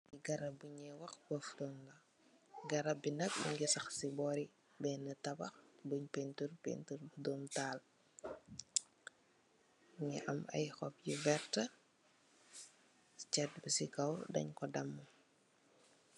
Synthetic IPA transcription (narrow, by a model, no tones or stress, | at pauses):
iɡɐɾɐbuɲɛwɐxbɐftɔŋɡɐ | ɡɐɾɐbinɐk̚bṵɲɡisɐxsibɔɾi | bɛnɐtɐbɐxbuɲpɛnturpḛnturbudɔːmtaːl | ɲɛʔɐmɐ̰jxɔpjivɛrtɐ | t͡ʃɛt̚bisikɐwdɐ̰ɲkɔdɐmːu